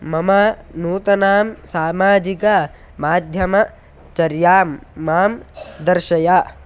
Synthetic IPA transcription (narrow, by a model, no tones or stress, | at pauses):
mɐmɐnuːt̪ɐnaːmsaːmaːd͡ʒikɐ | maːd̪ʱjɐmɐ | t͡ʃɐɾjaːmːaːmd̪ɐɾʃɐjaː